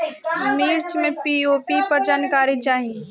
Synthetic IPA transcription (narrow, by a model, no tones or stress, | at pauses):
miːɾt͡ʃmẽpioːpipəɾd͡ʒaːnkaːɾit͡ʃaːɦĩ